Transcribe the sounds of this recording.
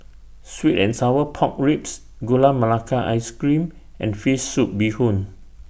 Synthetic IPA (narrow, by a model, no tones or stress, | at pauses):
switɛ̃nsawəpʰɔ̃k̚ɹips | ɡolaməlakʰaʔa̰jskɹĩm | ɛ̰̃nfesːup̚bihõn